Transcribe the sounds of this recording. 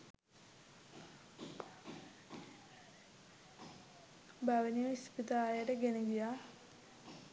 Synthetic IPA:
baʋəniʋispit̪aːjəʈəɡeneɡijaː

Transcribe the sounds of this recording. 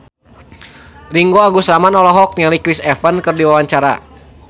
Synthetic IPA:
riŋɡoaŋɡusɾamanɔlɔɦɔk̚nialikɾisɛfənkɨrdiwawaɲt͡ʃaɾa̰

